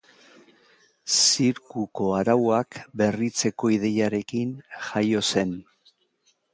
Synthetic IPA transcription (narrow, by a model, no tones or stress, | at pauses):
siɾkuko̞aɾawakbe̞rit͡se̞ko̞iðe̞jaɾe̞kinʝajo̞se̞n